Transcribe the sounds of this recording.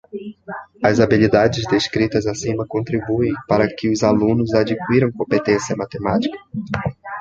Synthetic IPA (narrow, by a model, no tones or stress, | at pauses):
ɐzabilid̪ad͡ʒɪzd̪eskɾit̪ɐzasĩmɐkõnt̪ɾibuẽj̃paɾɐkɪʊzalũnʊzad͡ʒikuiɾɐ̃w̃kõmpet̪ẽsiɐmat̪emat͡ʃi̥kɐ̥